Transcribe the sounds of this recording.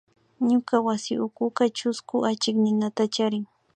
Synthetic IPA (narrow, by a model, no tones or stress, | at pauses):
ɲʊkawasɪʔʊkʊkat͡ʃʊskʊʔat͡ʃɪknɪnat̪at͡ʃaɾɪŋ